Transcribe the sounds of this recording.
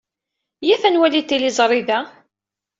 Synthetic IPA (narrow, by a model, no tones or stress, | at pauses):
jæfænwælit̪ːilizˤɾˤiðæ